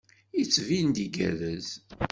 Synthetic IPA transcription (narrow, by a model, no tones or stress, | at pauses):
it͡sːvind̪iɡæ̰ðəz